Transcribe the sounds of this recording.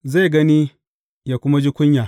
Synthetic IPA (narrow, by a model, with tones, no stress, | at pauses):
za˦˨jɡɐ˦niː˦ | jaː˨kʷʊ˦ma˦d͡ʒiː˦kʷʊ˦ɲjaː˨